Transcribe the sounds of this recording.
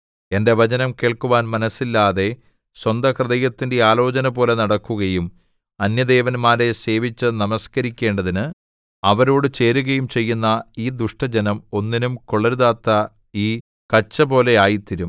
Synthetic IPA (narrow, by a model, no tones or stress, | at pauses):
e̞nde̞ʋɐd͡ʑɐnɐmke̞ːɭkuʋaːnmɐnɐsːilːaːðe̞ | swɐnd̪ɐkrɨðɐjɐt̪ːinde̞aːlo̞ːt͡ɕɐnɐbo̞ːle̞nɐɽɐkːuɣɐjum | ɐnjɐd̪eːʋɐnmaːɾe̞se̞ːʋit͡ɕːɨnɐmɐskɐɾikʲːe̞ːɳɖɐðinɨ | ɐʋɐɾo̞ːɽɨt͡ɕe̞ːɾuɣɐjumt͡ɕe̞jːunːɐiːd̪uʂʈɐd͡ʑɐnɐmo̞nːinumkoɭɐɾuðaːt̪ːɐ | iː | kɐt͡ɕːɐbo̞ːle̞aːjit̪ːiɾum